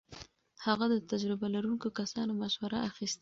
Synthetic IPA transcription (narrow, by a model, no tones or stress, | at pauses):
haɣad̪ət̪ad͡ʒɾɪbalaɾunkokasɑnomaʃwaɾaaxist̪